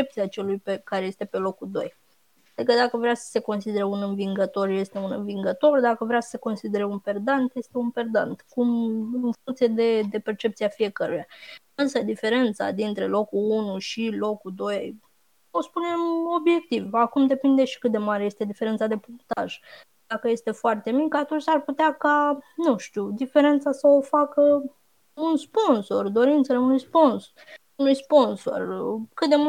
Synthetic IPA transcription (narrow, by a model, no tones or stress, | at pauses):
ep̚t̪siat͡ʃe̞lujpekaɾeje̞st̪e̞pe̞lo̞kud̪o̞̰j | ad̪ikəd̪akəvɾeasə̥se̞ko̞nsid̪e̞ɾe̞unɨnviŋɡət̪o̞rje̞st̪e̞unɨ̰nviŋɡət̪o̞rd̪akəvɾeasə̥se̞ko̞nsid̪e̞ɾe̞unpe̞rd̪ant̪je̞st̪e̞unpe̞rd̪a̰nt̪kumɨnfuŋkt̪sie̞d̪e̞d̪e̞pe̞rt͡ʃe̞p̚t̪siafije̞kəɾuja | ɨnsəd̪ife̞ɾe̞nt̪sa̰d̪int̪ɾe̞lo̞kulunuʃilo̞kud̪o̞jj | o̞spune̞mo̞bje̞k̚t̪ivakumd̪e̞pind̪e̞ʃi̥kɨt̪̚d̪e̞maɾeje̞st̪e̞d̪ife̞ɾe̞nt̪sad̪e̞punt̪a̰ʒ | d̪akəje̞st̪e̞foart̪e̞mikəat̪unt͡ʃʲarput̪eakanuʃt̪iud̪ife̞ɾe̞nt̪sasəofakə | unspo̞nso̞rd̪o̞ɾint̪səleunujspo̞ns | unujspo̞nso̞̰rkɨt̪̚d̪e̞mu